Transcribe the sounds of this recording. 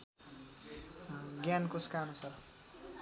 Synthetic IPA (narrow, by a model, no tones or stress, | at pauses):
ɡjankoskanusʌr